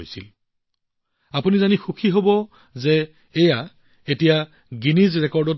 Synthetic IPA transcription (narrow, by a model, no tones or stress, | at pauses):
jsil | apunizanixukʰiɦobɔ | zeː | ja | etija | ɡinizɹɛkɔɹdɔt̚